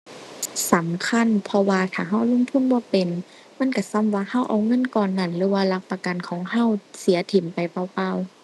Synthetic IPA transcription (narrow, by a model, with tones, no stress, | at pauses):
sa˨˦mkʰa˧˥˨npʰɔ˧waː˧t̪ʰaː˨˩ɦa˧˥˩wlo˧˨ŋt̪ʰu˧˥˨nbɔː˧˦pe˨n | ma˧˥˨nka˧˩sa˧˥˨mwaː˧ha˧˥˨wʔa̰˨˩wŋɤ˧˥˨nkɔː˨nːa˧˩˨nlɯː˨˦waː˧˨la˧˥k̚pa˧ka˨nkʰɔː˨˦ŋɦa˧˥˨wsi˨˦ɐt̪ʰi˨˦mpa˨jpa˧˩wpa˧˨w